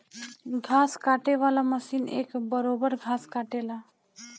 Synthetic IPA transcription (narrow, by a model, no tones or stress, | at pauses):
ɡʱaskaʈeʋalaməsiːnḛkbəɾobəɾɡʱaskaʈela